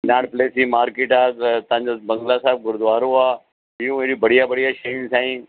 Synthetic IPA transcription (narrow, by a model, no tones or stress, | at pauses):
naːɽpleːsĩmaːɾkeːʈaːt̪ɐãːɲd͡ʑobɐ̃ŋɡlasaːɪb̚ɡʊɾd̪ʊaːɾoaː | ɦɪjũeːɾibəɽ̤ijabəɽijaʃensãːĩː